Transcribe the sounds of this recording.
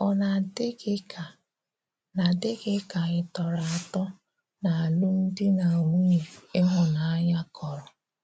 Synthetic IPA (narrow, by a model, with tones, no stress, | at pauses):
ɔ˦na˨dɪ˦kɪ˦kʰa˨ | na˨dɪ˦ɡɪ˦ka˨ɪ˨tɔ˨ɾa˨a˨tɔ˦ | na˨a˨lʊ˦n̩˦dɪ˦na˨u˦ɲe˨ɪ˦ɦʊ˨na˨a˦ɲa˦kɔ˨ɾɔ˨